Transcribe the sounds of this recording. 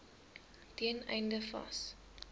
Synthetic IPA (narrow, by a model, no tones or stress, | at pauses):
tiənɛ̰jndəfɐ̰s